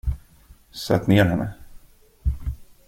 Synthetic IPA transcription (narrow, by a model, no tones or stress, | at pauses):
sɛ̰t̪neːɾɦɛnːə